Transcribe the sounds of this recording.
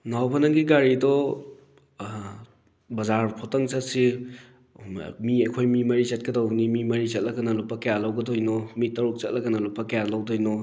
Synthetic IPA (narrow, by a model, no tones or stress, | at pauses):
nawpʰanɐŋɡiɡaɾidɔ | bɐzaɾpʰɔtɐŋt͡ʃɐtsi | miɐjkʰojmimɐɾizɐt̚kɐdawnimimɐɾit͡ʃɐt̚lɐɡɐnɐlupːɐkɐjalawɡɐdojnɔmitːɐɾuk̚t͡ʃɐt̚lʔɐɡɐnɐlupːɐkajalawdɔjnɔ